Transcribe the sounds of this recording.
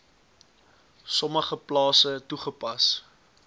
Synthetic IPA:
sɔməχəplɑːsətuχəpɐs

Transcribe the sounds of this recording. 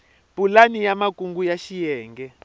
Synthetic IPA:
b̥ulanijamakʼuŋɡujaʃijɛːŋɡɛ

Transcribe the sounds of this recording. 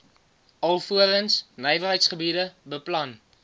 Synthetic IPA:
ɐlˠfuələnsnəjvərɦəjtsχəbidəbəplɐn

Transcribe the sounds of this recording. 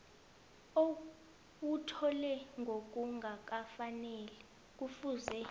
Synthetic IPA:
o | wutʰɔlɛŋɡʱok̬ʼuŋɡʱak̬ʼafanɛlɛ | k̬ʼufuzɛ

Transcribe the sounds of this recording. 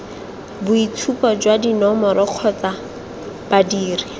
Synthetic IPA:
bʊitʰupɔd͡ʒwadinɔmɔɾɔq͡χʰɔt͡sa | b̥adiːri

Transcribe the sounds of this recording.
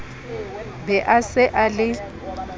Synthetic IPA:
bɛʔasɪʔalɪ

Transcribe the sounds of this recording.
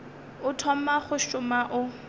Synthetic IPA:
ʊtʰɔm̩maχʊʃʊmaʔʊ

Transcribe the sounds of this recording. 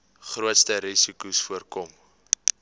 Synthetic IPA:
χruətstəɾisikusfuərkɔm

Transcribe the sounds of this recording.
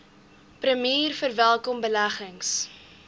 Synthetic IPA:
prəmiːrfərvælˠkɔmbəlæχəŋs

